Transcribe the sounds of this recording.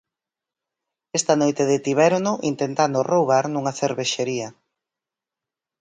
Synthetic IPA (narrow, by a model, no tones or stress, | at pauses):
est̪ɐnojt̪eðet̪iβɛɾnʊʔint̪ent̪and̪ʊrʔowβaɾnuŋɐθeɾβeʃeɾiɐ